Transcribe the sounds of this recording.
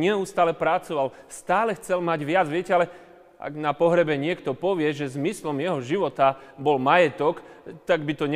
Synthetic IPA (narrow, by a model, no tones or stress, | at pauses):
ɲɛust̪aːlɛpɾat͡sɔʋalst̪aːlɛxt͡sɛlmaɟʋɪad͡zʋɪɛcɛalɛ | ʔa̰ɡnapɔɦɾɛbɛɲɪɛkt̪ɔpɔʋɪɛʒɛzmislɔmjɛɦɔʒiʋɔt̪abɔlmajɛt̪ɔkt̪aɡbit̪ɔɲɛ